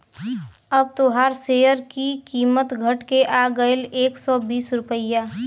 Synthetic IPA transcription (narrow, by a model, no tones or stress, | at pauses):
əb̚t̪oɦaːɾseːjəɾkikiːmət̪ɡʱəʈkeʔaːɡəɪleːksɔːbiːsɾʊpəɪja